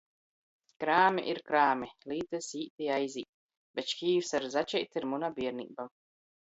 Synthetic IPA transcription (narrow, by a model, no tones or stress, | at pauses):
kɾaːmʲḭʔiɾkɾaːmʲiliːt̪ɛsiːt̪ijajzʲiːt̪̚ | bɛt͡ʃkʲiːwsaɾzat͡ʃɛjt̪iɾmunabʲiɛɾnḭːba